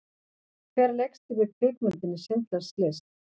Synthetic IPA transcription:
kʰvɛːɾlɛkst̪ɪvɪðp̪ʰɪkmʏnt̪ɪnːɪsɪnt̪laɾ̥st̪lɛst̪

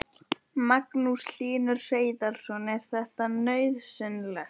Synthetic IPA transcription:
maknusl̥iːnʏɾ̥r̥eːjðal̥sɔnɛɾ̥θɛht̪anœːɥðsʏnlɛx

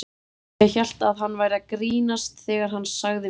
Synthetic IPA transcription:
açal̥t̪aðɦanːvaːjɾakɾiːnast̪θɛːɣaɾ̥ɦanːsaɣðɪ

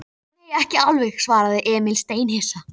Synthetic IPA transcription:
ejɛhcɪawlvɛxsvaːɾaðɪʔɛːmɪlst̪eːjnhɪsa

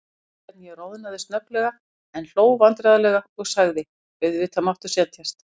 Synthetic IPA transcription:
ɛt̪njɛɾoːwðɪnaðɪst̪nœplɛɣa | ɛnl̥oːwvant̪ɾaːðalɛɣaɔɣsaɣðɪ | vɪðʏvɪt̪ʰamaft̪ʏsjɛnt̪ʰjast̪

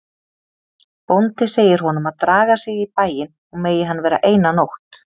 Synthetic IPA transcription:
pownt̪ɪseːjɪɾ̥ɦɔn̪ʏmaðt̪ɾaːɣasɪɣipaːjɪn | ɔɣmeːjɪɦanːvɛːɾa̰ʔeːjnanowht̪

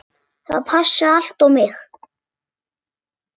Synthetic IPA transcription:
θa̰pʰaʃːaaɬt̪omɪx

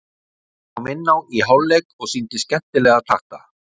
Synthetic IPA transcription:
awmɪnːawiɦawlːejkɔɣsint̪ɪscɛn̥t̪ɪlɛːɣat̪ʰaht̪a

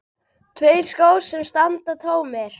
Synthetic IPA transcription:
t̪ʰveːjskoːwsɛmst̪ant̪at̪ʰoːwmɛɾ̥

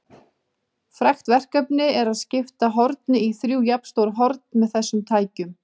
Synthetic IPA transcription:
fɾaxt̪vɛr̥kœpnɪɛɾaðscɪft̪aɦɔɾt̪̚nɪiθɾjuːjapst̪owɾɦɔɾt̪nmɛðθɛsːʏmt̪ʰaːjcʏm

